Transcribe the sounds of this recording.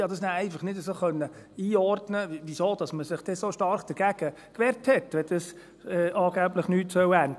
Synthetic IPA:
ɑd̥ɑsnæɛɪfɑχnɪdəsoːχœnːəiːɔɾdnəʋisoːd̥ɑsməsɪχd̥ɛsoːʃtɑɾχd̥əɡ̥æɡ̥ə | kʋɛːɾthɛtʋɛd̥ɑs | ɛʔɑːɡ̥æbləχnyːtsœwænd

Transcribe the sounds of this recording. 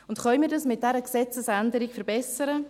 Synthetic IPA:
ʊntχœmiːɾdɑsmɪt̚d̥ɛɾəksɛt͡səsændəɾɪkfəɾbɛsəɾə

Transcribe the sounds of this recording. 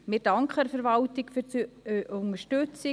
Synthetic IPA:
mɪd̥ɑŋkʰχəfɛɾvɑltɪkfyt͡sʔʊŋəʃtøt͡si

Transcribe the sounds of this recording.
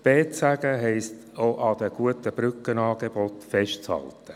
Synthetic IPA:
b̥eːt͡sæɡ̥əɦɛɪst | oʔɑd̥̪əɡ̥uətəb̥ɾʏkːənɑːɡebɔtfɛʃtt͡shɑ̰ltə

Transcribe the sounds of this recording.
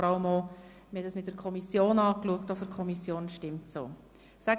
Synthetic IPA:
ɾɑləmo | məhɛtdəsmɪt̚dəɾkʰɔmisjoːnɑːkluəktofəɾkʰɔmisjoːnʃtɪmtso̰ː | sæ

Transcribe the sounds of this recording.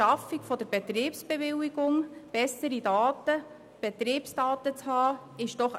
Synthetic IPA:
ɑfikfɔdəɾbet̪ɾiːpsb̥evɪliɡ̥ʊŋb̥ɛsəɾidɑːtə | b̥et̪ɾiːpsd̥ɑːt̪ət͡shɑː | ɪʃd̥ɔχ

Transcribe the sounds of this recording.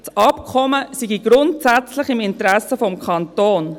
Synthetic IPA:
sɑpkʰɔməsiɡiɡ̥ɾʊntsæt͡slɪχɪmɪntɾɛsəfɔmkʰɑntoːn

